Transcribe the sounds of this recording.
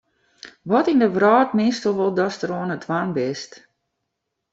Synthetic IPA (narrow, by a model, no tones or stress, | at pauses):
ʋɔtindəʋraːtmɪstəlˠʋɔlˠdɔstəɾoənətʰʋanbɪst